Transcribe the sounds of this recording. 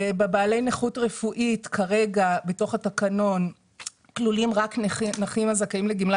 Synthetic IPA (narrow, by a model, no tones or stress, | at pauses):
ebebaːle̞jneχutʁefuʔitkʰaʁe̞ɡabeto̞χatakano̞n | klulimʁaknaχimazakaimleɡimla